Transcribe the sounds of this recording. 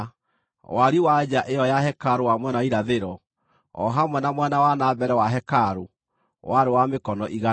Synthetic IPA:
waɾiwad͡ʒaʔejɔjahɛkaɾowamwɛnaiɾaðeɾɔ | ɔ̰ɦamwɛnamwɛnawanaːbɛɾɛwaɦɛkaɾo | waɾewamekɔnɔʔiɣa

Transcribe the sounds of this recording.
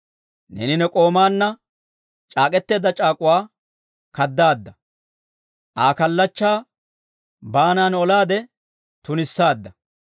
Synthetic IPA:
nɛ̰nɪnɛkʼo̞ːmaːnːɐ | t͡ʃʼaːkʼɛt̪ːe̞ːd̪ɐt͡ʃʼaːkʼʊwaː | kɐd̪ːaːd̪ːɐ | ʔaːkɐlːɐt͡ʃːaː | baːnaːnɔlaːd̪ɛ | t̪ʊnɪsːaːd̪ːɐ

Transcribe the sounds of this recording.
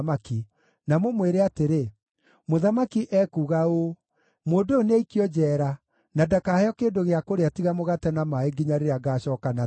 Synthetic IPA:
maki | namomweɾeateɾe | moðamakiʔɛːkuːɣao | moːdooneɛikiɔd͡ʒɛːɾa | nadakahɛɔkeːndoɣeakoɾeatiɣamoɣatɛnamaeɡiɲaɾeɾaɡaːɕɔːkana

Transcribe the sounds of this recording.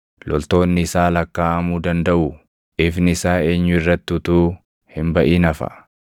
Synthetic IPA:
lɔlt̪o̞ːnːɪɪsaːlɐkːaːʔɐmuːd̪ɐnd̪ɐʔu | ɪfnɪɪsaːe̞ːɲːʊɪrːɐt̪ːut̪uː | hɪmbɐʔiːnɐfɐ̰

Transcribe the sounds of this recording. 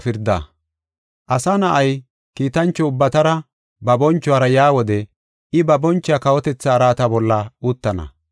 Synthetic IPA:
fɪɾd̪ɐ̰ | ʔɐsɐnɐʔɐj | kiːt̪ɐnt͡ʃːɔʊbːɐt̪ɐɾɐ | bɐbɔnt͡ʃːʊwaːɾɐjaːwɔd̪ɛ | ʔɪbɐbɔnt͡ʃːɪjakɐwɔt̪ɛt͡sːɐːɾaːt̪ɐbɔlːɐuːt̪ːɐnɐ̰

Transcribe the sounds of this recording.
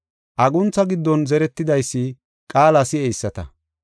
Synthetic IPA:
ʔɐɡʊnt͡sːɐɡɪd̪ːɔnzɛɾɛt̪ːɪd̪ɐjsːɪ | kʼaːlɐsɪɛjsːɐt̪ɐ

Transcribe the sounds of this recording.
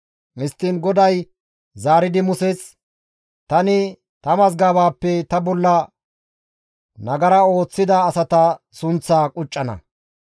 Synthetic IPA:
ɪst̪ːiːnɡɔd̪ɐj | zaːɾɪd̪ɪmʊsɛt͡s | t̪ɐnɪ | t̪ɐmɐzɡaːbaːpːɛt̪ɐbɔlːɐ | nɐɡɐɾɐo̞ːt͡sːɪd̪ɐːsɐt̪ɐ | sʊnt͡sːaːkʼʊt͡ʃʼːɐnɐ̰

